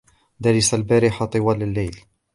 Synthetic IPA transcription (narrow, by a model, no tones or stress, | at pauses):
d̪aɾɪsalbæːɾɪħat̪ˤɨwalalːajl